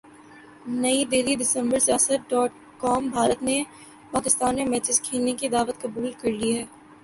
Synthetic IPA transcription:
nɐid̪eːlid̪ɪsə̃mbəɾsjaːsət̪̚ɖɔːʈ | kɔːmbʱaːɾət̪ne | paːkɪst̪aːnːemɛːt͡ʃɪskʰiːnekid̪aːʋət̪kɐbuːlkɐɾliɦɛː

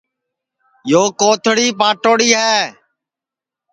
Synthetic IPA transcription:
joːkoːt̪ʰɽiːpaːʈoːɽiːɦɛː

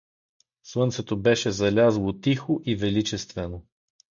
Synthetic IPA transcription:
slˠɤnt̪sɛt̪obɛʃɛzɐlʲazlˠot̪ixoʔivɛlit͡ʃɛst̪vɛno

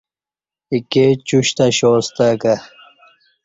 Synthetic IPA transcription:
iket͡ɕuɕt̪aɕoːst̪aka

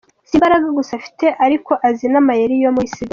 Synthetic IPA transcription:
zibaɾaɡaɡusafi̥te̞ʔaɾiko̞ʔazinamajeɾijomuisida

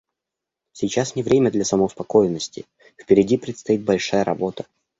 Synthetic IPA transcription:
sʲɪt͡ɕasnʲɪvɾʲemʲəd̪lʲɐsəməʊspɐko̞jɪnːəsʲtʲɪ̰ | fpʲɪɾʲɪdʲipɾʲɪt̪st̪ɐit̪̚bɐlʲʂajəɾʔɐ̰bo̞t̪ə̥

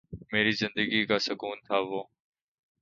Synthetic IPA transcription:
meːɾiːzɪnd̪əɡiːkaːsəkuːnt̪ʰaːʋoː

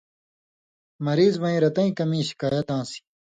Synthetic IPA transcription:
mɐɾiːzbɐ̃ĩːɾɐt̪ɐ̃ĩkɐmĩːɕi̥kaːjɐt̪̚ãːsi̥

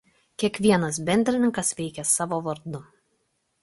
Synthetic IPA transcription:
kʲiɛkʋʲiɛnɐs̬bʲɛnʲd̪ʲɾʲɪnʲɪŋkɐsʋʲɛɪkʲɛsɑːʋoːʋɐɾd̪ʊ

